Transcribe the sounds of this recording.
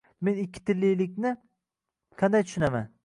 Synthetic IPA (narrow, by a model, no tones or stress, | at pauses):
me̞nɪkʲʰːɪ̥t̪ʰɪlːijlɪk̬̚ʲnɪ | qʰɑnd̪ajt̪ʰʊ̥ʃʊnama̰n